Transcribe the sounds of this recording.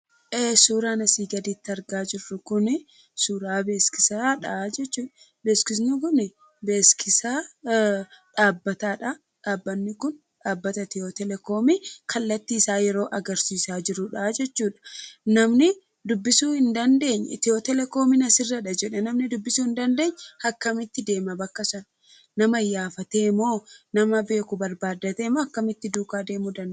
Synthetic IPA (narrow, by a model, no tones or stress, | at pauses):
ʔeːsuːɾaːnɐsiːɡɐd̪iːt̪ːɐɾɡaːd͡ʒɪrːʊkʊnɪ | suːɾaːbe̞ːskɪsaːᶑɐd͡ʒɛt͡ʃːuːᶑɐ̥ | beːskɪs̬nʊkʊnɪ | be̞ːskɪsaː | ᶑaːbːɐt̪aːᶑɐ | ᶑaːbːɐnːɪkʊn | ᶑaːbːɐt̪ɐt̪ɪot̪ɛlɛko̞ːmikʰɐlːɐt̪ːiːɪsaːjɛɾo̞ːʔɐɡɐɾsiːsaːd͡ʒɪɾʊᶑaːd͡ʒɛt͡ʃːuːᶑɐ̥nɐmnɪ | d̪ʊbːɪsuːhɪnd̪ɐnd̪e̞ːɲːɛt̪ɪot̪ɛlɛko̞ːmɪnɐsɪrːɐᶑɐd͡ʒɛᶑɛnɐmnɪd̪ʊbːɪsuːhɪnd̪ɐnd̪e̞ːɲːhɐkːɐmɪt̪ːɪd̪e̞ːmɐbɐkːɐsɐn | nɐmɐjaːfɐt̪eːmoːnɐmɐbe̞ːkʊbɐɾbaːd̪ːɐt̪eːmoːɐkːɐmɪt̪ːɪd̪uːkaːd̪e̞ːmʊd̪ɐn